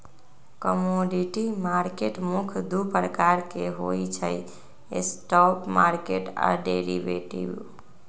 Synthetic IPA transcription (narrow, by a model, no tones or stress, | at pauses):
kəmoɖiʈimaɾkeʈmukʰd̪upɾəkaɾkeɦojt͡ʃʰə̰j | ḛsʈɔpmaɾkeʈa̰ɖeɾḭʋḛʈḭb